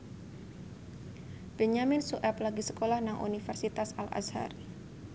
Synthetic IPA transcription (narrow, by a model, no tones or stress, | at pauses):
bɛɲamɪnsuʔɛplaɡisə̥kolahnaŋʔṵnifərsit̪asa̰la̰sha̰ɾi